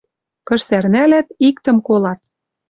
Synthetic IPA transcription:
kɤ̆ʃsærnælæt̪ikt̪ə̆mkolɑt̪̚

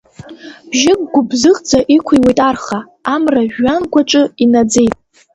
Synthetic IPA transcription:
b̥ʒɪk̚ʼɡʷʊbzɨχd͡zaʔikʷʰijwe̞jtʼarχaː | mraʒːanɡʷaʈ͡ʂʷʼɨinad͡ze̞jtʼ

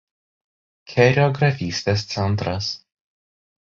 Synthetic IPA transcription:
kʲʰɛɾʲɔɡɾɐfʲiːsʲt̪ʲeːst̪sʲɛnˑt̪ɾɐs

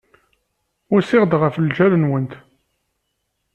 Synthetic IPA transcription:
ʊɾsɪʁd̪ʁəfld͡ʒælənwənt̪

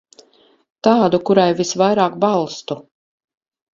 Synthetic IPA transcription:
t̪aːd̪ukuɾajvisvajɾaːkbalˠst̪u

